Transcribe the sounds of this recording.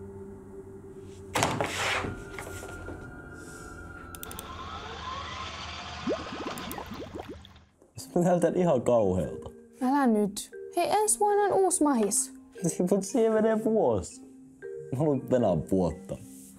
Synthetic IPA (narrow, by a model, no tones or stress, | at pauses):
snælt̪ænʔihɑkɑuhḛːlt̪ɑ̥ | ælænyt̪heʔensʋoinɑnuːsmɑhisnimut̪sieʋenepuos | molut̪ʋenæmpuot̪ːɑ̰